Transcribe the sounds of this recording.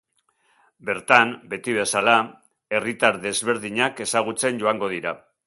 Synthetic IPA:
be̞ɾt̪anbe̞t̪iβ̞e̞sala | e̞rit̪aɾðe̞zβe̞ɾðiɲake̞saɣ̞ut͡se̞nɟo̞aŋɡo̞ð̞iɾa

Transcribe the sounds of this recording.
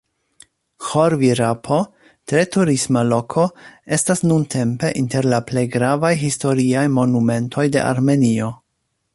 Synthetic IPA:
xo̞ɾviɾapʰo̞ | tɾe̞tuɾismalo̞kʰo̞e̞stasnuntʰe̞mpe̞ʔinte̞ɾlaple̞jɡɾavajɦisto̞ɾiajmo̞nume̞ntʰo̞jde̞̰ʔa̰ɾme̞nio̞

